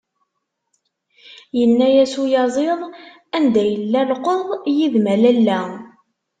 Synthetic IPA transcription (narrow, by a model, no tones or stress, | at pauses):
jənːæjæsujɑzˤeðˤ | ænd̪æjəlːælqoðˤjiðmælælːæ